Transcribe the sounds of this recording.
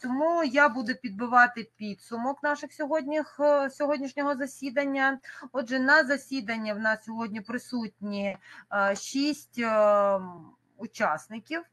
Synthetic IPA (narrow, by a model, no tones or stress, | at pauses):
t̪ɔmujabud̪ʊpʲid̪̚bɪʋɑt̪ɪpʲid̪sʊmɔknɑʃɪxsʲɔɦɔdʲnʲixsʲɔɦɔdʲnʲiʃnʲɔɦɔzɐsʲid̪ɐnʲːɐɔd̪ʒɛnɐzɐsʲid̪ɐnʲːɐwnɑssʲɔɦɔdʲnʲipɾɪsutʲnʲi | ʃisʲtʲ | ʊt͡ʃɑsnɪkʲiw